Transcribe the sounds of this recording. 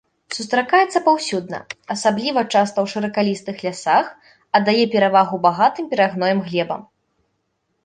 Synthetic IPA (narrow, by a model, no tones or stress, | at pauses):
sust̪ɾakajɛt̪sːɐpawsʲud̪̚nɐ̰ɐsablʲivɐt͡ʂast̪ɐwʂɨɾɐkalʲist̪ɨxlʲasax | ɐd̪ajɛpʲɛɾavaɣubaɣat̪ɨmpʲɛɾaɣnɔjɛmɣlʲɛbɐ̰m